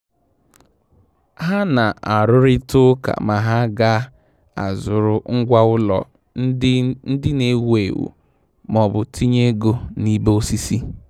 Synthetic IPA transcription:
ɦa˦na˨a˨ɾʊ˦ɾɪ˦tʊ˦ka̰˨ma˨ɦa˦ɡa˦ | a̰˨zʊ˨ɾʊ˨ŋ̩˦ɡʷa˦ʊ˦lɔ̰˨˦ | n̩˦dɪ˦ne˨˦we˨wṵ˨ | mɔ˨bʊ˨tʰi˦ɲe˦ɡo˦ni˦bo˦si˦si˦

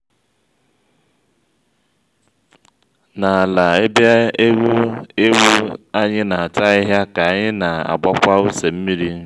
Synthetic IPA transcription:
na˨la˨e˦bja˦e˦ɡʷu˦e˦wu˦a˦ɲɪ˦na˨a˨ta˦ɪ˦ɦja˦ka˨a˨ɲɪ˦na˨a̰˨ɡ͡ba˦kʷa˦ʊ˦se˨m̩˦mi˦ɾi˦

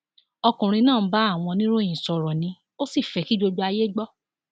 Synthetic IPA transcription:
ɔ˧kũ˨ɾ̃ĩ˧nãː˦˨˦ba˦a˦˨w̃ɔ̃˧nĩ˦ɾo˦˨jĩ˨sɔ˧ɾɔ˨nĩ˧ | o˦si˦˨fɛ˨˧ki˦d͡ʒo˧d͡ʒu˧˦a˧je˦ɡ͡bɔ˦

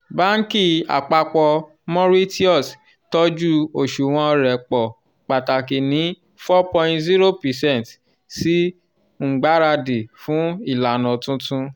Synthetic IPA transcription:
ba˦ŋ̩˦ki˦˨a̰˨k͡pa˧k͡pɔ˧ | mɔ̃˦ɾi˦ti˦ɔ˦˨s | tɔ˦d͡ʒu˦o˨ʃu˨w̃ɔ̃˧ɾɛ˨k͡pɔ˨ | k͡pa˨ta˨ki˨nĩ˨˦ | fɔ˦pɔ̃˧ĩ˦tzi˦ɾo˦pi˨sɛ̃˦˨nt | si˦ | ŋ͡m̩˨ɡ͡ba˦ɾa˧de˨fũ˨˦i˦˨la˨nɔ̃˨tũ˦tũ˦

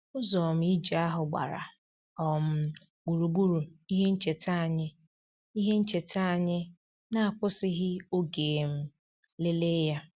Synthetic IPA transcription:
ʊ˦zɔ˨m̩˨˦i˦d͡ʒe˨a˦ɦʊ˨ɡ͡ba̰˨ɾa̰˨ | ɔ˨m̩˦ɡ͡bu˨ɾu˨ɡ͡bu˦ɾu˨i˦ɦe˦n̩˦t͡ʃe˨ta˦˨ɲɪ˦ | i˦ɦe˦n̩˦t͡ʃe˨ta˦a˨ɲɪ˦ | na˦a˨kʷʊ˦sɪ˦ɦɪ˦o˦ɡe˨m̩˦ | le˦le˦ja˦

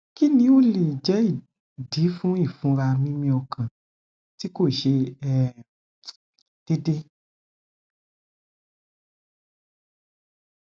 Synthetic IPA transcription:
ki˦nĩ˧o˦le˨d͡ʒɛ˨˦i˦˨ | di˨˦fũ˦i˦˨fũ˨˦ɾa˧mĩ˦mĩ˧ɔ˧kʰã˨ | ti˦ko˦˨ʃe˧ɛ˨ | d̥e˦de˦

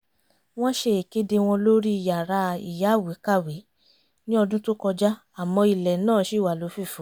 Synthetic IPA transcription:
w̃ɔ̃˦ʃe˧e˨ke˦de˧w̃ɔ̃˧lo˦ɾi˦i˧˨ja˨ɾa˧ḭ˨ja˨˦˨wi˨˦ka˦˨wi˨˦ | nĩ˦ɔ˧dũ˦tu˦kɔ˧d͡ʒa˦ | a˨mɔ̃˧i˨lɛ˨nãː˦˨˦ʃi˦˨wa˨lo˨˦fi˦˨fũ˨˦

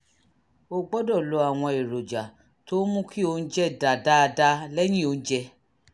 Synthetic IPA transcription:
o˧ɡ͡bɔ˦dɔ˦˨lo˨˧˦a˨w̃ɔ̃˧e˨ɾo˨d͡ʒa˨ | to˦mũ˦kʰi˦o˧n̩˦d͡ʒɛ˦da˨da˦˧da˧˦lɛ˦j̃ĩ˦˨o˧ñ̩˦d͡ʒɛ˧

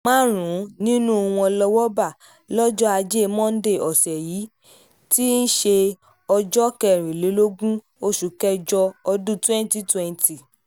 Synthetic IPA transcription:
mãː˦ɾ̃ũ˨˦nĩ˦nũ˦˧wũ˧ɔ˧lɔ˧wɔ˦ba˦˨ | lɔ˦d͡ʒɔ˦a˧d͡ʒe˦˧mɔ̃˦n̩˦de˦˨ɔ˨sɛ˨jiː˨˦ | ti˦n̩˦ʃe˧ | ɔ˧d͡ʒɔ˦kɛ˨ɾ̃ĩ˨le˨˦lo˦ɡũ˦ | o˧ʃu˨˦kɛ˦d͡ʒɔ˧ɔ˧dũ˦tɛ̃˦n˦ti˦twɛ˧n˨ti˨

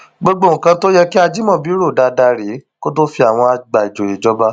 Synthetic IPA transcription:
ɡ͡bo˧ɡ͡bo˦˨kã˧to˦jɛ˦ki˦a˧d͡ʒi˦mɔ̃˦˨bi˨˦ɾo˦˨da˧da˧ɾi˨˦ko˦to˦fi˧a˨w̃ɔ̃˧a˧ɡ͡ba˨i˨d͡ʒo˨i˨d͡ʒɔ˨˦ba˦

